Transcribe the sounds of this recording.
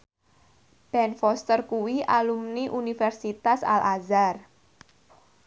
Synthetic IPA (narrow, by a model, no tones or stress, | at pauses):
b̥ɛnfɔst̪ərkuwiʔalumniʔunifɛrsit̪asa̰lʔazar